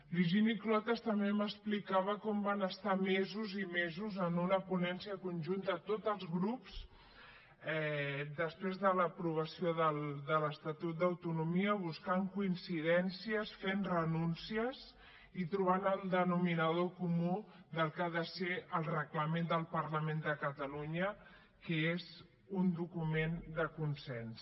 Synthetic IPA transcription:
biɾʒiniklɔt̪əst̪əmbeməsplikaβ̞əkɔmbanəst̪amezuzimezuzənunəpunɛnsiəkunʲʒunt̪ət̪ot̪əlˠzɣɾups | ɛd̪əspɾezðələpɾuβ̞əsioðəlˠd̪ələst̪at̪ut̪̚d̪əwt̪unumiəβ̞uskaŋkuinsiðɛnsiəsfenrənunsiəz | it̪ɾuβ̞anəlˠd̪ənuminəðokumu | d̪əlˠkaðəseəlˠrəkləmend̪əlˠpəɾləmend̪əkət̪əluɲə | kəez | und̪ukumend̪əkunsɛns

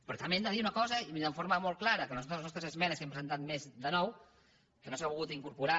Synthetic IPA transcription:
pɾɔt̪amend̪əðiunəkɔzəiminəɱfoɾməmolˠklaɾəkənuɔt̪zlˠznɔst̪ɾəzəzmɛnəskempɾəzənt̪at̪̚mezd̪ənɔw | kənosaβulɣut̪iŋkuɾpuɾa

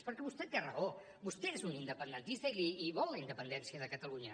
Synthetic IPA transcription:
spəɾkɛβust̪ɛt̪ːearə̰o | bust̪ɛezunind̪əpənd̪ənt̪ist̪əiliːβɔlˠlːəind̪əpənd̪ɛnsiəðəkət̪əluɲə

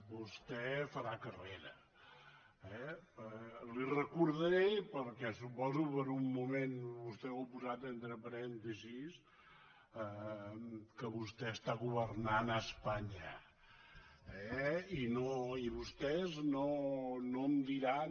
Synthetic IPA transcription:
bust̪ɛfəɾakəreɾə | ɛəlirəkuɾðəɾepəɾkɛsupɔzupəɾumːumenβust̪ɛawpuzat̪ent̪ɾəpəɾɛnt̪izis | ə | kəβust̪ɛst̪aɣuβəɾnanəspaɲə | ɛinoiβust̪ɛznonoəmd̪iɾa

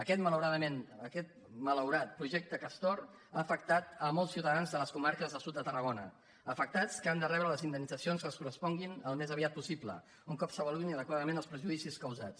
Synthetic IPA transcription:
əkɛt̪mələwɾaðəmenəkɛt̪̚ | mələwɾat̪̚pɾuʒɛk̚t̪əkəst̪ɔr | aːfək̚t̪at̪əmɔlˠsiwt̪əðanzðələskumaɾkəzðəsut̪̚d̪ət̪ərəɣonə | əfək̚t̪at͡skəand̪ərɛβɾələzind̪əmnːid͡zəsionskəskurəspɔŋɡinəlˠmezəβiat̪̚pusiplə̰ | uŋkɔpsəβəluinəðəkwaðəmenəlˠspɾəʒuðisiskəwzat͡s

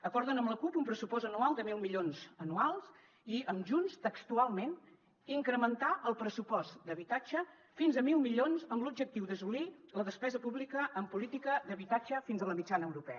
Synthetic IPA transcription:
əkɔɾðənəmləkupumpɾəsupɔzənualˠd̪əmilˠmiʎonzənualˠs | iəmʒunst̪əkst̪ualˠmen | iŋkɾəmənt̪aʔəlˠpɾəsupɔsd̪əβit̪ad͡ʒə | finzəmilˠmiʎonzəmlub̚d͡ʒək̚t̪iwðəsuliləðəspɛzəpuβlikəʔːmpulit̪ikəðəβit̪ad͡ʒəfinzələmit͡ʃanəəwɾupɛ̰ə

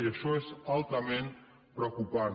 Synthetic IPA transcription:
iəʃɔezalˠt̪əmen | pɾəwkupan

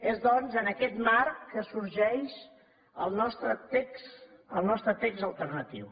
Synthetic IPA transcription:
ezðɔnzənəkɛt̪markəsuɾʒɛʃ | əlˠnɔst̪ɾət̪eksəlˠnɔst̪ɾət̪ekzəlˠt̪ərnət̪ḭw

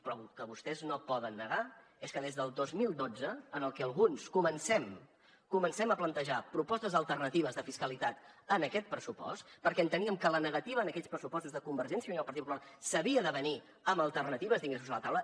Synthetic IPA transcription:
pɾɔkəβust̪ɛznopɔðənːəɣa | eskəðezðəlˠd̪ozmilˠd̪od͡zəːnəlˠkɛəlˠɣunskumənsɛm | kumənsɛməplənt̪əʒapɾupɔst̪əzðəlˠt̪ərnət̪iβ̞əzðəfiskəlit̪at̪ənəkɛt̪̚pɾəsupɔ̰st̪pəɾkɛənt̪əniəmkələnəɣət̪iβəːnəkɛʎspɾəsupɔst̪uzðəkumbəɾʒɛnsjəuniəlpɾt̪it̪̚pupulasəβiəðəβəni | əməlˠt̪ərnət̪iβəzðiŋɡesuzələt̪awlə

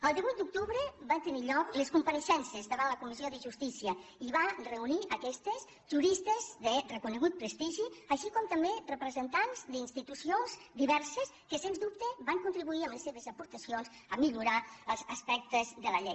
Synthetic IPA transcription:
əlˠd̪iβujt̪̚d̪uk̚t̪uβɾəbant̪əniʎɔkləskumpəɾəʃɛnsəzðəβanləkumizioðəʒust̪isiəiβarəuniʔəkɛst̪əz | ʒuɾist̪əzðərəkunəɣ̞ut̪̚pɾəst̪iʒiəʃikɔmt̪əmberəpɾəzənt̪anzd̪inst̪it̪usionzd̪iβɛɾsəskəsenzðup̚t̪əbaŋkunt̪ɾiβuiəmləsːeβəzəpuɾt̪əsionz | əmiʎuɾaəlˠzəspɛk̚t̪əzðələʎej

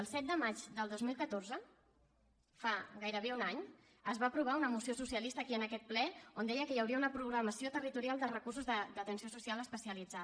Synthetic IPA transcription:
əlˠsɛt̪̚d̪əmad͡ʒd̪əlˠd̪ozmilˠkət̪orzə | faɣajɾəβ̞eunaɲ | əzβaːpɾuβ̞aunəmusiosusiəlist̪əːkiənəkɛt̪̚plɛond̪ɛjəkəjəwɾiəunəpɾuɣɾəməsiot̪ərit̪uɾialˠd̪ərəkursuzðəd̪ət̪ənsiosusialəspəsiəlid͡za

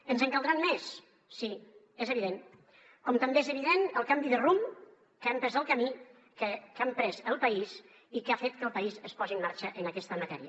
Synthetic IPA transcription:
ənzəŋkəlˠd̪ɾanmesː | i | ezəβiðen | kɔmt̪əmbeezəβ̞iðenəlˠkambiðərum | kampɾɛzəlˠkami | kəkampɾɛzəlˠpaiz | ikafet̪̚kəlˠpaizəspɔziəmːaɾt͡ʃəʔənakɛst̪əmat̪ɛ̰ɾiə

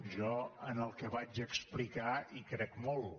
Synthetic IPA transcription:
ʒɔənəlˠkəβad͡ʒəksplikaikɾɛkmɔlˠ

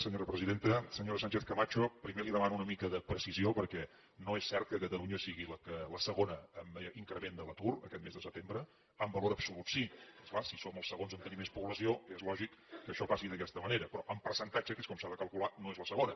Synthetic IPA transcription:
səɲoɾəpɾəziðent̪əsəɲoɾəsaɲʲt͡ʃeθkəmat͡ʃopɾimeliðəmanunəmikəðəpɾəsiziopəɾkɛ | noesːɛɾt̪̚kəkət̪əluɲəsiɣiləkələsəɣonəəmiŋkɾəmend̪ələt̪urə̰kɛt̪mezðəsəp̚t̪embɾə | əmbəloɾəpsulut̪siesklasisoməlˠsəɣonzənt̪ənimespuβləsioezlɔʒikːəʃɔpasiðəkɛst̪əməneɾəpɾɔʔəmpəɾsənt̪ad͡ʒəkeskɔmsaðəkəlˠkulanoezləsəɣonə

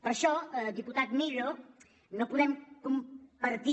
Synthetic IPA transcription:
pəɾʃɔd̪iput̪at̪milo | nopuðɛmkumpəɾt̪i

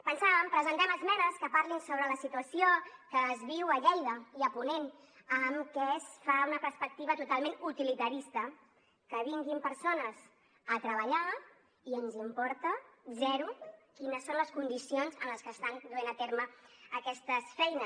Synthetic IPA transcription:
pənsaβəmpɾəzənt̪ɛməlzmɛnəskəpaɾlinsoβ̞ɾələsit̪uəsijokəːzβiwəʎɛjðəiəpunen | əmkɛsfaunəpəɾspək̚t̪iβət̪ut̪alˠmẽnut̪ilit̪əɾist̪ə | kəβiŋɡimpəɾsonəs | ət̪ɾəβəʎa | iənzimpɔɾt̪əzɛɾukinəsːonləskund̪isionzənləskəːst̪and̪uenət̪eɾməːkɛst̪əsfɛjnə

